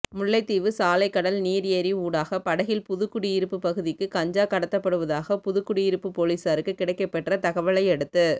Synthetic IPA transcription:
mʊɭːɐɪt̪ːiːʋɯsaːlɐɪkːɐɽɐlniːɾeɾiuːɽaːɣɐpɐɽɐɣɪlpʊðɯkːʊɽiɪɾɯpːɯpɐɣɯðɪkːɯkɐɲd͡ʒaːkɐɽɐt̪ːɐpːɐɽɯʋɐðaːɣɐpʊðɯkːʊɽiɪɾɯpːɯpoːliːsaɾɯkːɯkːɪɽɐɪkːɐpːɛʈrɐt̪ɐɣɐʋɐɭɐɪɛɽɯt̪ːɯ

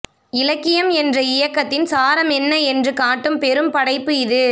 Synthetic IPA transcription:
ɪlɐkːɪjɐmɛndrɐɪjɐkːɐt̪ːɪnsaːɾɐmɛnːɐɛndrɯkaːʈːɯmpɛɾɯmpɐɽɐɪpːɯɪðɯ

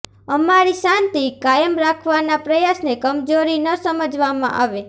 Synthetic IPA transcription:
əmaɾiʃãnt̪ikajəmɾakʰʋanapɾəjasnekəmd͡ʒoɾinəsəməd͡ʒʋamã̰ʔaʋe

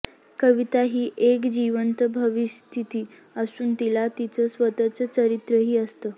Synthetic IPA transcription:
kəʋit̪aɦiːʔekd͡ʑiʋənt̪bʱəʋist̪ʰit̪iː | əsuːnt̪ilat̪it͡səːsʋət̪at͡sət͡ɕəɾit̪ɾəɦiːəst̪əː

